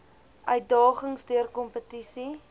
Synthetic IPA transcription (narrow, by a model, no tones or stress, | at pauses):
ʔœɥt̚dɑːχəŋsdiərkɔmpətisi